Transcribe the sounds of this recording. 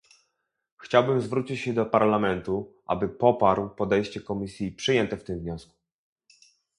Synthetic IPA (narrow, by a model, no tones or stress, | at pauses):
xt͡ɕawbɘmzvɾut͡ɕit͡ɕɕɛd̪ɔpaɾlamɛnt̪uʔa̰bɘpɔpaɾwpɔd̪ɛjɕt͡ɕɛkɔmʲisʲjipʂɘjɛnt̪ɛft̪ɘmvɲɔsku̥